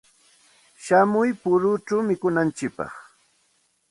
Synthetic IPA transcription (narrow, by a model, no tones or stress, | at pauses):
ʃamʊjpʊɾʊt͡ʃawmɪkʊnant͡ʃɪk̚pɑ̰χ